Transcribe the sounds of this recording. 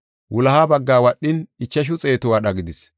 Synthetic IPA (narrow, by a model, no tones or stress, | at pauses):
wʔʊlɐhaːbɐɡːaːwɐɗːɪnɪt͡ʃːɐʃ̬ʊt͡sʼe̞ːt̪ʊwɐɗɐɡɪd̪ɪs